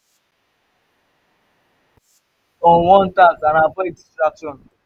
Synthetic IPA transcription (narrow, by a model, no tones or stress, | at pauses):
oŋʷɔn̩takanabadi̥stɾakʃɔn̩